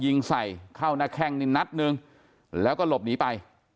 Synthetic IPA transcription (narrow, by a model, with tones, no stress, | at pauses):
ji˧ŋsa˨˩jkʰa˥˩wnaː˧˩kʰɛ˧ŋni˧na˦˥t̪̚nɯ˧ŋ | lɛː˦˥wkɔː˥˩lo˨˩p̚niː˩˦pa˧j